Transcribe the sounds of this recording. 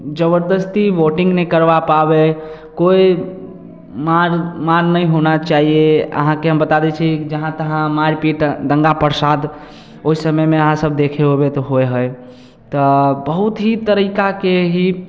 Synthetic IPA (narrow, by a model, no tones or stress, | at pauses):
d͡ʒəbəɾd̪əst̪iʋoʈĩŋɡnəkəɾbapabe | koi | maɾmaɾnəjɦonat͡ʃaɦieə̰ɦãkeɦəmbət̪ad̪ɛt͡ʃʰikd͡ʒəɦãt̪əɦãmaɾpiʈd̪əŋɡapəɾsad̪ | oɦisəməjmeəɦãsəbd̪ekʰeɦobet̪ɔɦoeɦəj | t̪ɔbəɦut̪ɦit̪əɾikakeɦi